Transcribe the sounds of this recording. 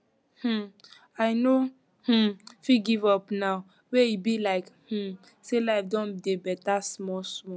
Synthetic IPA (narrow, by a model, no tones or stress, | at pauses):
h̩ | aɪno | h̩fiɡivɔpnaʊ | weibilaɪkh̩ | selaɪfdɔ̃ndebɛtasmɔsmɔ